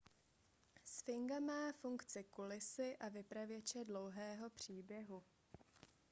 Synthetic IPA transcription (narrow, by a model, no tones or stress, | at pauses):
sfɪŋɡamaːfuŋkt͡sɪkulɪsɪʔavɪpɾavjɛt͡ʃɛdlo̞wɦɛːɦo̞pr̝̥iːbjɛɦu